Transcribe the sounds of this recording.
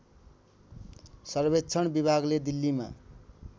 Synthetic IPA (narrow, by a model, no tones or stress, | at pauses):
sʌrbetːt͡sʰʌɳbibʱaɡled̪ilːima̰